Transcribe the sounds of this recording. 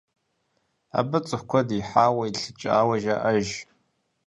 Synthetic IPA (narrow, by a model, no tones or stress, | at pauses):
a̰bɨt͡sʼɨħkʷʰɔdiħaːwɐiɬɨt͡ʃʼa̰ːwɐʒaʔɐʒ